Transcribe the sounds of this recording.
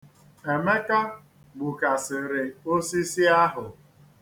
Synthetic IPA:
e˨me˦ka˦ | ɡ͡bu˨ka˨sɪ˨ɾɪ˨o˦si˦si˦a˦ɦʊ˨

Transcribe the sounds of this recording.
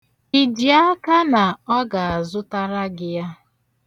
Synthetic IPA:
i˨di˨a˦ka˦na˨ɔ˦ɡa˨a˨zʊ˦ta˦ɾa˦ɡɪ˦ja˦

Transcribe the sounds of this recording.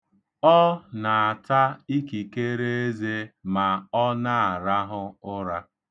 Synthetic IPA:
ɔ˦na˨a˨ta˦i˦ki˨ke˦ɾe˦e˦ze˦ma˨ɔ˦na˦˨a˨ɾa˦ɦʊ˦ʊ˦ɾa˦

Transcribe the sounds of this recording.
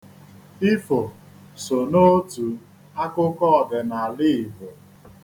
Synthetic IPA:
i˦fo˨ | so˨no˦tu˨ | a˦kʊ˦kɔ˦ɔ˨dɪ˨na˨a˨li˦i˨vo˨

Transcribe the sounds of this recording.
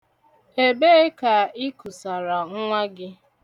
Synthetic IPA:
e˦be˦e˦ka˨ɪ˦kʊ˨sa˨ɾa˨ŋ̩˦ŋʷa˦ɡɪ˦

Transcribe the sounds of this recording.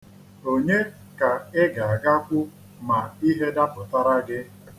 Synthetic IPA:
o˦ɲe˦ | ka˨ɪ˦ɡa˨a˨ɡa˦kʷʊ˦ | ma˨i˦ɦe˦da˦pʊ˨ta˦ɾa˦ɡɪ˦

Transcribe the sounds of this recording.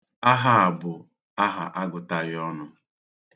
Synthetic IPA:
a˦ɦa˨a˨bʊ˨ | a˦ɦa̰˨ʔa˦ɡʊ˨ta˦ɣɪ˦ɔ˦nʊ˨

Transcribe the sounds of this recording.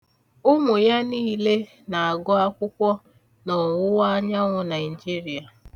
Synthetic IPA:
ʊ˦mʊ˨ja˦niː˦le˦ | na˨a˨ɡɔ˦a˦kʷʊ˦kʷɔ˦ | nɔ˨wʊ˦wa˦ɲa˦ŋʷʊ˨na˨ɪ˨d͡ʒi˦ɾi˨a˨

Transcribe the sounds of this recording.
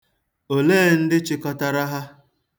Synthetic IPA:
o˨leː˦n̩˦dɪ˦t͡ʃɪ˦kɔ˦ta˦ɾa˦ɦa˦

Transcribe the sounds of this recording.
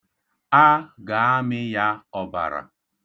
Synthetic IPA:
a˦ɡa˨a˦mɪ˦ja˦ɔ˨ba̰˨ɾa̰˨

